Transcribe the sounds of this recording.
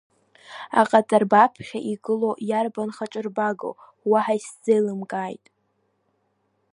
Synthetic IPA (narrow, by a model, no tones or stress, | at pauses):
a̰qʼat͡sʼarbapʰχʲaʔiɡɨlojarbanχaʈ͡ʂʼɨrbaɡo̰ | waħaisd͡zejlɨmkʼaːjtʼ